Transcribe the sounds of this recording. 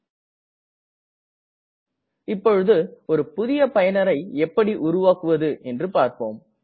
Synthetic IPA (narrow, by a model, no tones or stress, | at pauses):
ɪpːɔɻɯðɯɔɾɯpʊðɪjɐpɐjɐnɐɾɐɪɛpːɐɽiʔʊɾʊʋaːkɯʋɐðɯʔɛndrɯpaːɾpoːm